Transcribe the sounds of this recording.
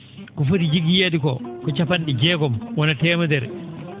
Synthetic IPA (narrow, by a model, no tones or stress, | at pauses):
kɔfotid͡ʒiɡijedikɔkɔt͡ʃapanɗid͡ʒɛːɡɔmwɔnatɛːmadɛɾ